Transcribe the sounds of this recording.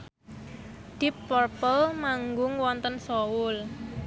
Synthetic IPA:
d̪̥ipːɔrpəlmaŋɡʊŋwɔnt̪ənsɔwʊl

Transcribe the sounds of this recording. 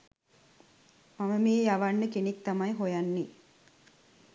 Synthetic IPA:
maməmiːjaʋanːəkenik̚t̪amajɦojanːi

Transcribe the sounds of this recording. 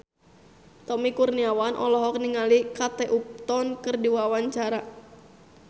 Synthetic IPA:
t̪ɔmikurniawanʔɔ̰lɔɦɔk̚niŋalikat̪eʔup̚t̪ɔnkɨrdiwawaɲt͡ʃaɾa

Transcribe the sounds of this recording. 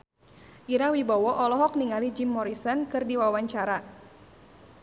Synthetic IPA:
ʔiɾawibawɔʔɔlɔɦɔk̚niŋalid͡ʒimːɔɾisɔnkɨrdiwawaɲt͡ʃaɾa

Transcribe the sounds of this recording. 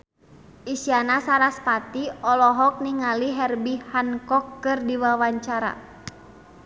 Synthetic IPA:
ʔisianasaɾaspat̪iɔlɔɦɔk̚niŋaliɦɛrbihankɔkːɨrdiwawaɲt͡ʃaɾa̰

